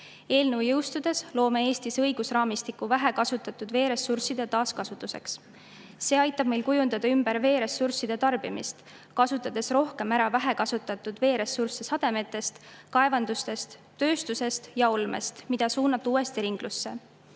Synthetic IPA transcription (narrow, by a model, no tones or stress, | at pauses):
e̞ːlnəwjɤwst̪ud̪̥e̞slo̞ːme̞e̞ːst̪isɤ̞jɡ̥usrɑːmist̪ikuvæɦe̞kɑsut̪ːˑɑt̪ːˑud̪ve̞ːɾe̞sursid̪̥e̞t̪ɑːskɑsut̪ːˑuse̞̰ks | se̞ːɑjt̪ːˑɑb̥̚mejlkujund̪ɑd̪ɑymb̥eɾve̞ːɾe̞sursid̪̥e̞t̪ɑrb̥imist̪ | kɑsut̪ːˑɑd̪̥e̞sro̞hke̞mæɾɑvæɦe̞kɑsut̪ːˑɑt̪ːˑud̪̥ve̞ːɾe̞sːursesɑd̪̥e̞me̞t̪ːˑe̞st̪kɑe̞vɑnd̪̥ust̪e̞st̪t̪ːø̞ːst̪use̞st̪jɑolmḛst̪mid̪̥ɑsuːnɑt̪ːˑuːe̞st̪iɾiŋɡ̥lusːe̞